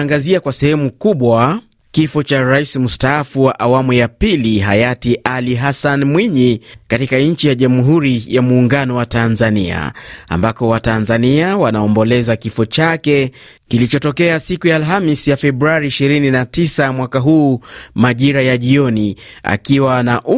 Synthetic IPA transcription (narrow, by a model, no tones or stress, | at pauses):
ŋɡaziakwasɛhɛmukuɓwa | kifɔt͡ʃaɾaisim̩staːfuwaʔawamujapiliɦajatiʔaliɦasanmwiɲikatikaɲ̩t͡ʃijaʄamuɦuɾijamuːŋɡanɔwatanzania̰a̰mbakɔwatanzaniawanaɔmbɔlɛzakifɔt͡ʃakɛ | kilit͡ʃɔtɔkɛasikujaːlɦamisjafɛbɾuaɾiːʃiɾininatisamwakaɦuːmaʄiɾajaʄiɔnia̰kiwanaʔ